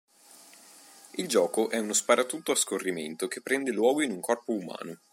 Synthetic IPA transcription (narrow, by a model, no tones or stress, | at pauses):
ild͡ʒɔːkoʔɛunospaɾat̪ut̪oaskorːiment̪ok̟epːɾɛnd̪elwɔːɡoinuŋkɔrpouma̰ːno